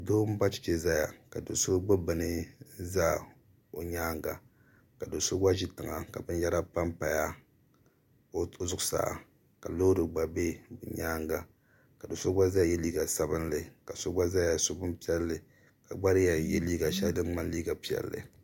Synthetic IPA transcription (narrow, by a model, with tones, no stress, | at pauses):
do˦m̩˦ba˦t͡ʃɪ̥˦t͡ʃe˨za˦ja̰˨ka˨do˨so˦ɡ͡bɨ˦bɨ˨nɨ˦za˦ | o˨ɲaː˦ŋɡa̰˨ | ka˨do˨so˦ɡ͡ba˦ʒi˦tɨ˨ŋa˨ka˨bɨ˦n˦jɛ˦ɾa˦pa˦mpa˨ja˦ | o˦o˦zʊ˦ʊ˦sa̰ː˨a̰˨ | ka˨lo˦dɨ˨ɡ͡ba˨be˦bṵ˨ɲaː˦ŋɡa˨ | ka˨do˨so˦ɡ͡ba˦za˦˨jɛ˦liː˦ɡa˨sa˦bɨ˦nlɨ˨ka˨so˦ɡ͡ba˦za˦ja˨so˦bɨ˦mpi˦ɛ˦lːɨ˨ | ka˨ɡ͡ba˦ɾɨ˦ja˨jɛ˦liː˦ɡa˨ʃɛ˦dɨ˦nŋ͡ma˦n˦liː˦ɡa˨pi˦˨ɛ̰˨lːɨ̰˨